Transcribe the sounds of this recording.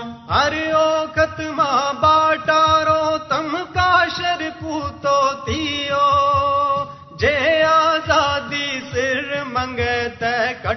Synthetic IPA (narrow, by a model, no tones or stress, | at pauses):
ɦɐɾɪoːkɐt̪mãːbaːʈaːɾoːt̪ɐmkaːʃɐɾɪpuːt̪oːt̪ʰijoː | d͡ʒeaːzaːd̪iːsɪɾmɐ̃ŋɡeːt̪ɛkɐ